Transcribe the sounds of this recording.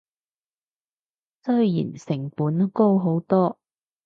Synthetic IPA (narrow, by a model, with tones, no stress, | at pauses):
sɵ˥ɥjḭː˨˩nsɪ˨˩ŋpuː˨˥n˥ko˥wɦo˨˥wt̪ɔː˥